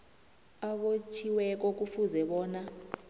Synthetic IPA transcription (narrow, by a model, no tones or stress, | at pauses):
aɓot͡ʃʰiwɛk̬ɔk̬ʼufuzɛɓɔːna